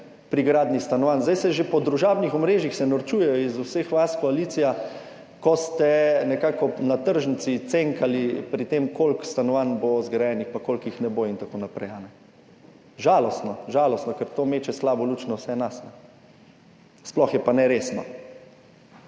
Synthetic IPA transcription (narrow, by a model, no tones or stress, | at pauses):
pɾiɡɾaːd̪nist̪anɔʋanzd̪ajsɛʒepɔd̪ɾuʒaːbnixɔmɾeːʒixsɛnɔɾt͡ʃuːjɛjɔizusexʋaskɔalit̪sija | kɔst̪ɛnɛkaːkɔnat̪əɾʒənt̪sit̪seŋkalipɾit̪emkolkst̪anɔʋanbozɡɾajɛnixpakolkjixnɛboːint̪akoːnapɾɛjanɛ | ʒaːlɔst̪nɔʒaːlɔst̪nɔkɛɾt̪oːmeːt͡ʃɛslaːbɔlut͡ʃnɔwsɛnasnɛ | splɔxjɛpanɛɾeːsnɔ̰